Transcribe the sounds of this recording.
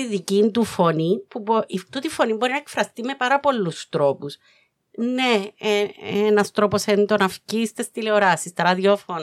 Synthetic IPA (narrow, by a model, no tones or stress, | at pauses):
iðicind̪ufo̞nipuboit̪ot̪ifo̞nimbo̞ɾinɐekfɾɐst̪ime̞pɐɾɐpo̞lːust̪ɾo̞pus | neeenɐst̪ɾo̞po̞send̪onɐfcist̪est̪ile̞oɾɐsist̪ɐɾɐðio̞fon